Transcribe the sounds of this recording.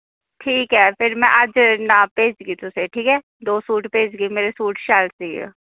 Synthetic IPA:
ʈʰiːkɦɛːpʰɪɾmɛ̃ːʔəd͡ʒnaːpeːd͡ʒɡiːt̪ʊseʈʰiːkɦɛː | d̪oːsuːʈpeːd͡ʒɡimeːɾesuːʈʃaːlsiḛ

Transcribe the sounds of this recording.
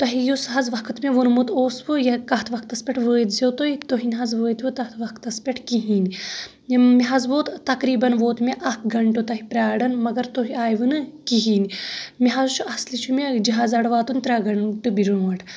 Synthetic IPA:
t̪ɐɦijusɦɐzʋɐkʰt̪meʋunmut̪oːsʋujɐkɐɦt̪ʰʋɐk̚ʰt̪ɐspʲɐʈʰʋəːjt̪zʲot̪oit̪oɦinɦɐzʋəːjt̪ʰʋɨt̪ɐt̪ʰʋɐkʰt̪ɐspʲeʈʰkiɦiːn | miɦɐzʋoːt̪t̪ɐkɾiːbɐnʋoːt̪mʲeʔɐkʰɡɐɳʈot̪ɐɦipɾʲaːɽɐnmɐɡɐɾt̪oɦiaːjʋɨnɨkiɦiːnimiɦazt͡ʃʰuɐslit͡ʃʰumed͡ʒiɦaːzɐɽʋaːt̪unʲt̪ɾʲaːɡɐɳʈɨbiɾunʋɐʈʰ

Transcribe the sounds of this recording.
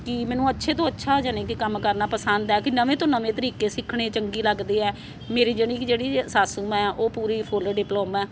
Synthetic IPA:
kɪmɛ̃ːnũːətːʃʰeːt̪̬õːətːʃʰaːd͡ʒaːneːkikəmkəɾnaːpəsənd̪ɛːkɪnəʋẽːt̪õːnəʋẽːt̪əɾiːkeːsɪkʰːɽeːt͡ʃəŋɡiːləɡd̪eːɛː | meːɾiːd͡ʒeːɽ̃iːd͡ʒeːɽiːsaːsuːmɛ̃ːʔoːpuːɾiːpʰolːɖɪploːmɛː

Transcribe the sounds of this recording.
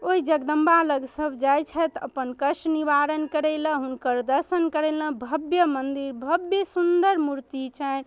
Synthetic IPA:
oɦid͡ʒəɡd̪əmbaləɡsəbʱd͡ʒajt͡ʃʰət̪ə̰pənkəʃniʋaɾənkəɾɛlə̃ɦunkəɾd̪əɾsənkəɾɛlə̃bʱəbjəmənd̪iɾbʱəbjəsund̪əɾmuɾt̪it͡ʃʰən

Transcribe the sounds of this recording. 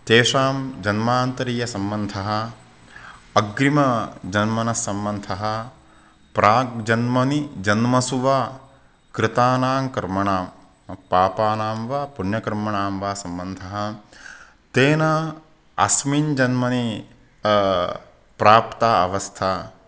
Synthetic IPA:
t̪eːʂaːmd͡ʒɐnmaːnt̪ɐɾiːjɐsɐmbɐnd̪ʱɐɦɐ̆ | ɐɡɾimɐd͡ʒɐnmɐnɐsɐmbɐnd̪ʱʰɐɦɐ | pɾaːk̚d͡ʒɐnmɐnid͡ʒɐnmɐsuʋaː | kɾɪt̪aːnaːmkɐɾmɐɳaːm | paːpaːnaːmʋaːpunjɐkɐɾmɐɳaːmʋaːsɐmbɐnd̪ʱɐɦɐ | t̪eːnɐ | ɐ̰smind͡ʒɐnmɐni | pɾaːpt̪aːɐ̰ʋɐst̪ʰaː

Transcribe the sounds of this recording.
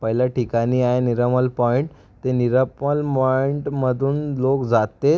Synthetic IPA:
pəɦiljaʈikaniːaeniɾəməlpɔiɳʈ | t̪eniɾəpəlmɔiɳʈməd̪ʱuːnlokd͡zat̪e

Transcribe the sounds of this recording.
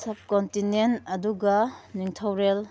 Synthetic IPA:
sɐb̚kontinentɐduɡɐniŋtʰɐwɾel

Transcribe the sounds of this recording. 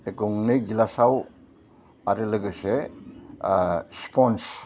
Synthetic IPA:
eɡɔŋnɯjd͡ʒilasaw | aɾɯlɯɡɯse | spʰɔns

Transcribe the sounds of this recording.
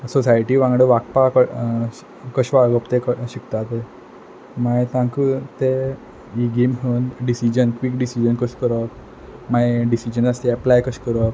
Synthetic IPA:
sɔsajʈiːʋãŋɡɽeʋak̚pakə | kəɕʋaɡəpt̪ekəɕikt̪at̪e | maet̪ãŋkut̪e | iɡemɦənɖisid͡ʑənkʋikɖisid͡ʑənkəɕkəɾək̚ | maeɖisid͡ʑənast̪iɛplajkəɕkəɾək̚

